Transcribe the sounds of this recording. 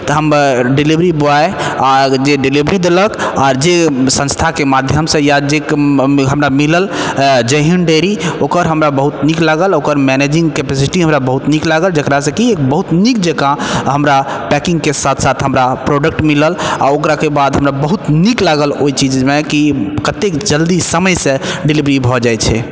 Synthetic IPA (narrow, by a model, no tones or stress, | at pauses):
t̪əɦəmɖilibɾiboae | ad͡ʒeɖilibɾid̪eləkaːɾd͡ʒesə̃nst̪ʰakemad̪ʱjəmsə̃jad͡ʒekɦəmɾamiləld͡ʒəɦinɖeɾiokəɾɦəmɾabəɦut̪niklaɡəlokəɾmɛned͡ʒĩŋɡkepɛsiʈiɦəmɾabəɦut̪niklaɡəld͡ʒəkɾasə̃kiekbəɦut̪nik̚d͡ʒəkãɦəmɾa | pɛkĩŋɡkesat̪ʰsat̪ʰɦəmɾapɾoɖək̚ʈmiləla̰okɾakebad̪ɦəmɾabəɦut̪niklaɡəloit͡ʃid͡ʒmekikət̪ekd͡ʒəld̪isəməjsẽɖilibɾibʱɔd͡ʒajt͡ʃʰɛ